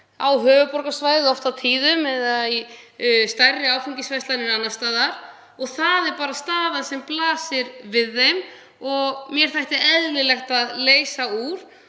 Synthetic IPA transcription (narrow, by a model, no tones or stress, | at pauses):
a̰wɦœːvʏpɔɾkasvaːjðɪðɔft̪awt̪ʰiːðʏmɛðaist̪arːɪaːwfiŋɲcɪsvajst̪lanɪnanːast̪aːðaɾ̥ | ɔɣθaðɛɾpaːɾast̪aːvaðsɛmplaːsɪɾvɪðːejm | ɔɣmjɛɾ̥θajht̪ɪɾɛðlɪlɛxt̪aðleːjsauɾ̥